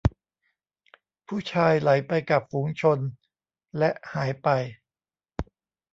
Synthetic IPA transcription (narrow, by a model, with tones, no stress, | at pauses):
pʰuː˥˩t͡ɕʰaː˧jla˩˦jpa˧jka˨˩p̚fuː˩˦ŋt͡ɕʰo˧n | lɛ˦˥ʔhaː˩˦jpa˧j